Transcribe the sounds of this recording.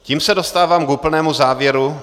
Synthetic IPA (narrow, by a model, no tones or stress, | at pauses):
ciːmsɛdo̞st̪aːvaːmkuːpl̩nɛːmuzaːvjɛɾu